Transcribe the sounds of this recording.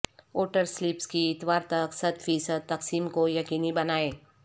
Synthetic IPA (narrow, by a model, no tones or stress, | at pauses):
oːʈəɾslɪpskiɪt̪ʋaːɾt̪ɐksɐt̪fʰiːsəd̪̚t̪ɐksiːmkojɐkiːnibɐnaːeː